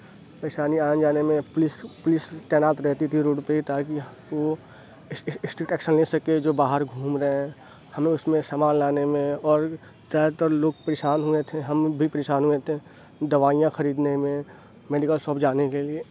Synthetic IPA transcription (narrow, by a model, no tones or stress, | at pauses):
pɾeːʃaːniaːə̃nd͡ʒaːnemẽplɪspʊlɪst̪ɛːnaːt̪ɾɛɦt̪it̪ʰiɾoːʈpeit̪aːki | o | sʈɪkʈɛːkʃənlesɐked͡ʒoːbaːɦəɾɡʱuːmɾɐɦẽ | hɐmẽʊsmẽsəmaːllaːnemẽɔːɾ | zaːjd̪t̪əɾloːɡ̚pɐɾeːʃaːnɦʊet̪ʰeɦɐmbʱipəɾeːʃaːnɦʊet̪ʰe | d̪ɐʋaːijãxɐɾiːd̪nemẽ | meːɖɪkəlsɔːpd͡ʒaːnekelie